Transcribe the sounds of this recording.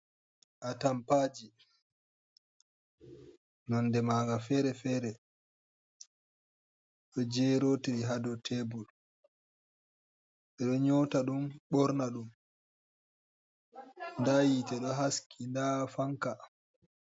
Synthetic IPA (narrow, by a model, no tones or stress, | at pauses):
ʔatampaːd͡ʒi | nɔndɛmaːɡafɛɾɛfɛːɾɛ | ɗɔd͡ʒɛɾoːtiɾiɦadɔtʰɛbul | ʔɛɗɔɲɔtaɗumɓɔɾnaɗum | ndajitɛɗɔɦaskʰindafaŋka